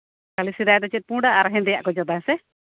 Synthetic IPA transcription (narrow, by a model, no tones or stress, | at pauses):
kalisid̪ajt̪ɔt͡ʃɛt̪̚pũɖaːɾaɦɛ̃nd̪ɛja̰ʔkɔd͡ʒɔd̪asɛ